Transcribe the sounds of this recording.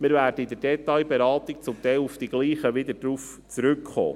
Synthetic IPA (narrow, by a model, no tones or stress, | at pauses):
mɪɾvæːɾdəid̪əɾd̥ɛt̪ɑjbeɾɑːt̪ik̚t͡sʊmt̪ɛɪlufd̥̪iɡ̥liːχəʋɪd̪əd̥ɾuːf | t͡sɾʏkχo̰ː